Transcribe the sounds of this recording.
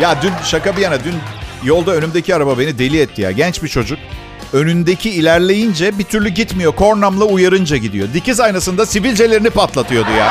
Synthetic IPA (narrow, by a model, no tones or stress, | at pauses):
jaːd̪ynʃakabijanad̪ynjo̞lˠd̪aønymd̪e̞cʰiaɾababe̞nid̪e̞lʲiɛt̪ʰːija̰ːɟɛnt͡ʃbit͡ʃʰo̞d͡ʒuk̚ | ø̞nynd̪ecʰiːlʲæɾlʲe̞jind͡ʒɛbit̪ʰyɾlʲyɟit̪mijo̞kʰo̞ɾnamlˠaujaɾɯnd͡ʒaɟid̪ijo̞d̪icizajnasɯnd̪asivilʲd͡ʒe̞lʲe̞ɾinipat̪lˠat̪ʰɯjo̞d̪uja̰ː